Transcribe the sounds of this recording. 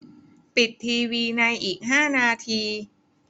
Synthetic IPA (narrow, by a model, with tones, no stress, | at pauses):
pi˨˩t̪ʰːiː˧wiː˧na˧jʔiː˨˩k̚ɦaː˥˩naː˧t̪ʰiː˧